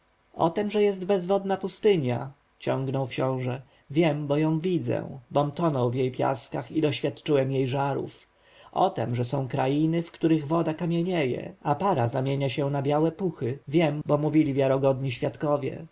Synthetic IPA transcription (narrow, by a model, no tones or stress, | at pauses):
ɔ̰t̪ɛmʐɛjɛst̪bɛzvɔd̪napust̪ɘɲja | t͡ɕɔ̃ŋɡnɔwkɕɔ̃w̃ʐɛ | vʲjɛmbɔjɔ̃w̃vʲid̪zɛ̰bɔmt̪ɔnɔ̃wvjejpʲja̰skaxid̪ɔɕfʲjat̪t͡ʂɘwɛmjejʐaɾṵf | ʔɔ̰t̪ɛmʐɛsɔ̃w̃kɾajinɘfkt̪uɾɘɣvɔd̪akamʲjeɲɛjɛ̰apaɾazamʲjeɲaɕɛ̃nabʲjawɛpuxɘvʲjɛmbɔmuvʲilʲivʲjaɾɔɡɔd̪ɲiɕfʲjat̪kɔvʲjɛ̰